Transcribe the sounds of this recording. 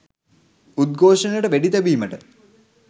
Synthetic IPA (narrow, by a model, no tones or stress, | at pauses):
ud̪̚ɡʱoːʂɐnəʈəʋeɖit̪ɐbiːməʈə